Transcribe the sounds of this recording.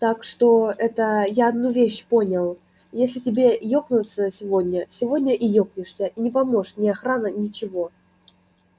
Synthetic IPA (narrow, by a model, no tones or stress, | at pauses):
t̪akʂt̪oɛt̪əjaɐd̪nuvʲeɕpo̞nʲɪlˠ | jesʲlʲɪtʲɪbʲejoknʊt̪səsʲɪvodʲnʲəsʲɪvodʲnʲəʔɪjoknʲɪʂsʲəʔinʲɪpɐmo̞ʂnʲɪɐxɾanənʲɪt͡ɕɪvo